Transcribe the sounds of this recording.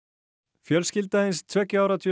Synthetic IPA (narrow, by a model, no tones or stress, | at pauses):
fjœlscɪlt̪aɪnst̪ʰvɛːcʏaːwɾat̪ʰɪ